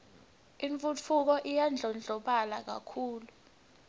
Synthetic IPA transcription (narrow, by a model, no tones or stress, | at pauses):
iɱfut͡fʰuk̬ɔʔijand͡ɮʱɔnd͡ɮʱɔɓalak̬a̰kʰuːlu